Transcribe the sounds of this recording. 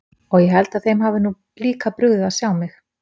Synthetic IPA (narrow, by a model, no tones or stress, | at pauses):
ɔɣjɛɦɛlt̪aðθejmɦaːvɪnu | liːkapɾʏɣðɪaðsjawmɪx